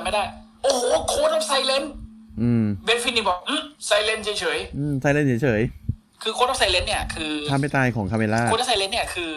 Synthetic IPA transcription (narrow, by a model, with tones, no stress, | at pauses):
ma˦˥˩daː˥˩j | ʔoː˧˩ho˨˩˦kʰoː˧˥tɾa˦˧˥p̚sa˧˥jle˦˥nʔɯ˧mbe˦˥nfʰi˧ni˧˩bɔː˨˩k̚ʔɯ˧˩sa˧˥jle˦˧nt͡ɕʰːjt͡ɕʰɤː˩˦jʔɯː˧˩msa˧jle˧˥nt͡ɕʰːjt͡ɕʰɤː˩˦j | kʰɯː˧kʰo˧˥ɾa˧˥sa˧jle˧˦˥nːi˥˩ɐkʰɯː˧a˧mːa˥˩t̪aː˧jkʰɔː˩˦ŋkʰa˧mʔe˧laː˥˩˧ɾa˥˩sa˧jle˦˥nːi˥˩ɐkʰɯː˧